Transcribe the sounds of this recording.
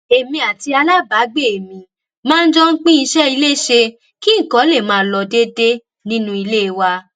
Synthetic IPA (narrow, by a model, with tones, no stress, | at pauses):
e˨mĩ˧a˨ti˧a˧la˦ba˨˦ɡ͡be˦˨e˨mĩ˨ | mãː˦˧n̩˦d͡ʒɔ˦ŋ̩˦k͡pĩ˦i˧ʃɛ˦i˧le˦˨ʃe˧ | ki˦ŋ̩˦˨kɔ̃˨˦le˦˨mãː˨˦˧lɔ˧˨de˦de˦ | nĩ˦nũ˦i˧le˦˧wa˧